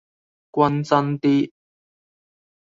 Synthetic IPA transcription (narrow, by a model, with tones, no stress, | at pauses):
kwɐ˦˥nt͡sɐ˦nt̪i˦